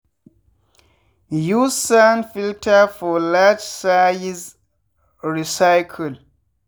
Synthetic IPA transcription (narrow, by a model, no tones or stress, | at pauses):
juzsãnfiltʰəfɔlad͡ʒsajz | ɹisaɪkʰəl